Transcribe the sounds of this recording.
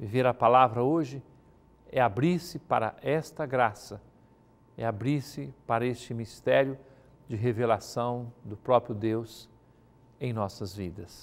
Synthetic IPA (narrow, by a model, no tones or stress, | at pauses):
viveɾɐpalavɾɐoʒɪ | ɛabɾiɾsɪpaɾɐ̰ʔɛst̪ɐɡɾasɐ | ɛ̰abɾiɾsɪpaɾɐest͡ʃɪmist̪ɛɾjʊ | d͡ʒɪɦevelasɐ̃w̃d̪ʊpɾɔpɾjʊd̪ews | ẽj̃nɔsɐzvid̪ɐs